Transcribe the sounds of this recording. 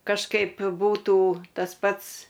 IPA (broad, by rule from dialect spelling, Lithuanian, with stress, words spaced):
kɐʃˈkɐɪp ˈbuːtuː tɐs ˈpɐts